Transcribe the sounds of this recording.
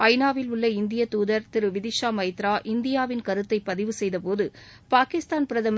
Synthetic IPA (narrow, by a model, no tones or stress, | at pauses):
ɐɪnaːʋɪlʊɭːɐɪnd̪ɪjɐt̪uːðɐɾt̪ɪɾɯʋɪðɪʃaːmɐjt̪ɾaːʔɪnd̪ɪjaːʋɪnkɐɾɯt̪ːɐɪpːɐðɪʋɯsɛjðɐpoːðɯ | paːkɪst̪aːnpɪɾɐðɐm